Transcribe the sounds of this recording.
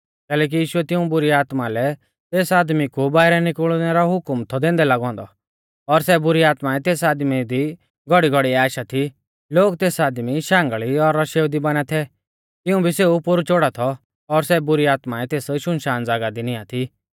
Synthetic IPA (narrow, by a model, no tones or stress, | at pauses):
kɛːlɛːk̬ijiːʃʊɛt̪ɪũbʊɾiaːt̪malɛ | t̪eːsaːd̪mikubaːɪɾɛnɪkəɭnɛɾɔɦʊkmt̪ʰɔd̪ẽːnd̪ɛlaɡɔ̃ːnd̪ɔ | ɔɾsɛbʊɾiaːt̪maɛt̪eːsaːd̪mid̪i | ɡɔɽiɡɔɽiaːʃat̪ʰi | loːɡt̪eːsaːd̪miʃãːŋɡəɭiɔɾɔʃeːwd̪ibɐnɛt̪ʰɛ | t̪ɪũbʱiseupʊɾut͡ʃoɽat̪ʰɔ | ɔɾsɛbʊɾiaːt̪maɛt̪eːsʃʊnʃaːnd͡zaɡad̪inɪjat̪ʰi